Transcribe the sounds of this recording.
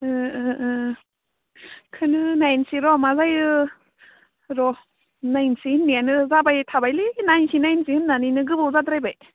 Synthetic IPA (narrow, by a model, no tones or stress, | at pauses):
ɯ | kʰɯnɯnajnsiɾɔmazajɯ | ɾɔ | najnsinːanɯzabajtʰabajlinajnsinajnsiɯmnaninɯɡɯbɯwzadɾajbaj